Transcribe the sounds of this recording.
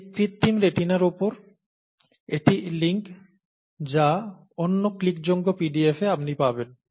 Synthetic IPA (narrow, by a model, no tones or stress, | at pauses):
pɾit̪ʰːimɾeʈinaɾupoɾ | eʈiliŋk | d͡ʑa | onːoklikd͡ʑoŋɡopiɖiefeapnipaben